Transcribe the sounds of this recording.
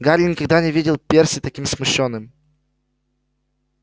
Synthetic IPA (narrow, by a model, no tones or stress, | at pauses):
ɡaɾʲlʲɪnʲɪkɐɡ̚d̪anʲɪvʲidʲɪlˠpʲersʲɪt̪ɐkʲimsmʊɕːonːɨm